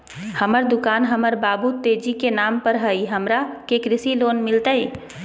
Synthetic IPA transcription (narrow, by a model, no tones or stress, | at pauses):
həməɾd̪ʊkaːnɦəməɾbaːbut̪eːd͡ʒikenaːmpəɾɦəiɦəmɾakekɾɪsiloːnmɪlt̪ae